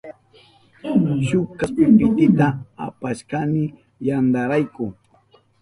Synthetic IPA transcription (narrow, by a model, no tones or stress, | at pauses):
ʃʊkapɪpɪt̪ɪt̪aapaʃkanɪ | jand̪aɾajkʊ